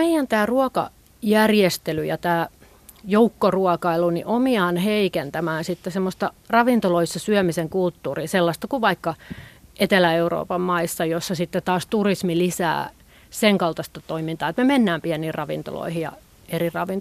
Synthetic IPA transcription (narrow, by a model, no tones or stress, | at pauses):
meijænt̪æːruɑkɑ̰ | jærjest̪elyjɑ̰t̪æː | joukːoruɑkɑiluniʔomiɑːnheikent̪æmæːnsit̪ːesemːost̪ɑrɑʋint̪oloisːɑsyœmiseŋkult̪ːuːriːselːɑst̪ɑkuʋʋɑikːɑʔet̪elæeuro̰ːpɑmmɑisːɑjosːɑsit̪ːet̪ɑːst̪urismilisæ̰ː | seŋkɑlt̪ɑst̪ɑt̪oimint̪ɑːet̪memenːæːmpiæniːrrɑʋḭnt̪o̰lo̰ihijɑ̰ | erirɑʋin